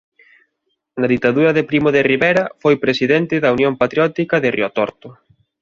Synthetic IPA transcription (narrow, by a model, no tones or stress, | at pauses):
naðit̪ːaðuɾɐðepɾimoðeriβɛɾafojpɾesiðɛnt̪ɪðɐunjõmpat̪ɾjɔt̪ikɐðerjot̪ɔ̰ɾt̪o